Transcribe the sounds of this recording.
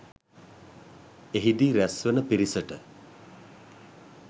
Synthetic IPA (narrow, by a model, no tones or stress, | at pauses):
eɦid̪iːɾæsʋənəpiɾisəʈə